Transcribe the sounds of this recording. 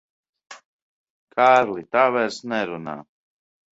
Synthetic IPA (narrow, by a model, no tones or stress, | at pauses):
kʰaːɾlit̪aːvɛɾsnɛɾuna̰ː